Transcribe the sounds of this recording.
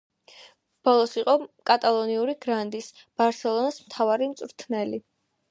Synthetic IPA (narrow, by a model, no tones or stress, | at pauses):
b̥ɔlˠɔsiqʼɔkʼat̪ʼalˠɔniuɾiɡɾand̪is | b̥aɾsɛlˠɔnasmt̪ʰavaɾimt̪sʼɾt̪ʰnɛli